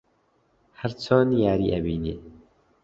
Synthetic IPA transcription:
hæɾt͡ʃʰɑːnjaːɾiːʔɛbiːneː

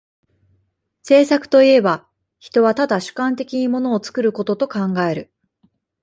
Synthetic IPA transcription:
se̞ːsakɯ̥t̪o̞ie̞ba | çi̥t̪o̞βat̪ad̪aɕɨ̥kãnt̪̬e̞kʲiɲ̟imo̞no̞ːt͡sɨ̥kɯ̟ɾɯ̟ko̞t̪o̞t̪o̞kãŋɡae̞ɾɯ̟

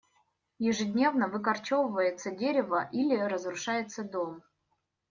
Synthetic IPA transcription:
jɪʐɨdʲnʲe̞vnəvɨkɐrt͡ɕovəvəjɪt̪sədʲeɾʲɪvəʔilʲɪɾəzɾʊʂajɪt̪səd̪om

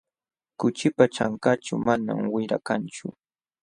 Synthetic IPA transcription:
kʊt͡ʃɪpat͡ʃaŋkat͡ʃʊmana̰mwɪɾa̰kant͡ʃʊ

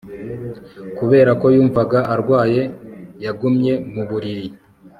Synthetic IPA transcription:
kuβe̞ːɾako̞juːɱvaɡaʔaɾɡwaːje̞jaɡumɲe̞muβuɾiɾi

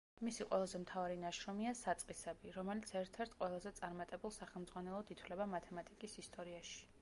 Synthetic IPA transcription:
misiqʼwɛlˠazɛmt̪ʰavaɾinaʃɾɔmiasat̪sʼqʼisɛbiɾɔmɛlit̪sʰɛɾt̪ʰɛɾt̪ʰqʼwɛlˠazɛt̪sʼaɾmat̪ʼɛbulˠsaχɛlˠmd̪zʼʁwanɛlˠɔd̪it̪ʰwlɛbamat̪ʰɛmat̪ʼikʼisist̪ʼɔɾiaʃi̥

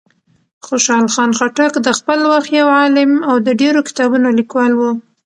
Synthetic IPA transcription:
xoʃɑlxɑnxaʈakd̪əxpəlwaxt̪jawʕɑlɪmawd̪əɖeɾokɪ̥t̪ɑbunolikwɑlwu

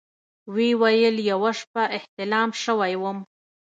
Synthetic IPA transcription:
wiwajəljawaʂpaʔɪht̪ɪlɑmʃəwajwəm

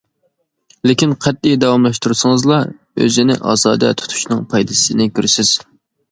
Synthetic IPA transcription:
lɪkʲinqʰɛt̪̚ːijd̪ɑwɑmlˠɑʃt̪uɾsɨŋɨzlˠɑ | ø̰zɪnɪ̰ʔɑ̰ːzɑ̰ːd̪ɛ̰t̪ʰu̥t̪ʰu̥ʃnɨŋpʰɑjd̪ɨsɪnɪkʲøɾɪsɪz̥

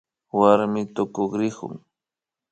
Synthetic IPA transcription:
waɾmɪt̪okoχɾɪhʊ̰ŋ

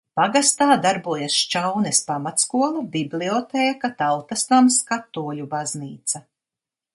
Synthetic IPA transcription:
paɡast̪aːd̪aɾbuɔjasʃt͡ʃawnɛspamat̪skuɔlˠɐbibliɔt̪ɛːkat̪alˠt̪ast̪amskat̪ːuɔlubazniːt̪sɐ

